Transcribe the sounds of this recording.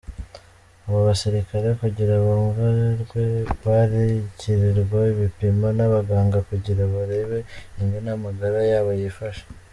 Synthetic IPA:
aβaβasiɾikaɾe̞kuɟiɾaβaɱvaɾɡweβaɾiciɾiɾɡwaiβipimanaβaɡaːŋɡakuɟiɾaβaɾe̞βe̞iŋɡenamaɡaɾajaːβajifaʃḁ

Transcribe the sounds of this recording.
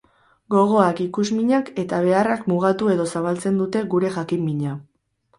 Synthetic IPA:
ɡo̞ɣo̞akikuzmiɲake̞t̪aβ̞e̞arakmuɣ̞at̪ue̞ðo̞saβalt͡se̞nd̪ut̪e̞ɣuɾe̞ʝakimːiɲa

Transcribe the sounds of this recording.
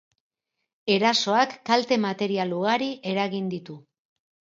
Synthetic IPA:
e̞ɾaso̞akːalt̪e̞mat̪e̞ɾialuɣaɾiʔe̞ɾaɣind̪it̪u

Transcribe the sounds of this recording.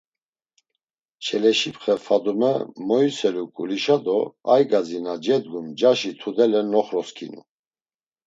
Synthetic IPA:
t͡ʃʰɛlɛʃipχɛfad̪umɛmɔjsɛlukʼṵliʃad̪ɔajɡazinad͡ʒɛd̪ɡumd͡ʒaʃit̪ʰud̪ɛlɛnɔχɾɔskʰinṵ

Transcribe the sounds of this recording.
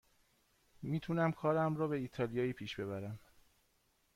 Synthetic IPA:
miːt̪ʰunæmkʰɒːɾæmɾɒːbe̞iːt̪ʰɒlijɒːiːpʰiːʃb̥e̞βæɾæm

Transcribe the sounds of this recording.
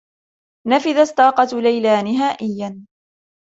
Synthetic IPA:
nafɪðasːɑːqɑt̪lajlaːnɪɦaːʔɪjːan

